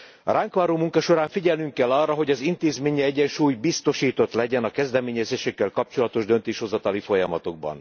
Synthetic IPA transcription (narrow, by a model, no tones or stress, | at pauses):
ɒɾaːŋkʋaːɾoːmuŋkɒʃo̞ɾaːɱfiɟɛlnyŋkːɛlːɒrːɒɦo̞ɟɒzint̪eːzmeːɲiɛɟːɛnʃuːjbist̪o̞ʃiːt̪o̞t̪lɛɟɛnɒkɛzd̪ɛmeːɲɛzeːʃɛkːɛlkɒp̚t͡ʃo̞lɒt̪o̞ʒd̪ø̞nt̪eːʃho̞zɒt̪ɒlifo̞jɒmɒt̪o̞ɡ̚bɒ̰n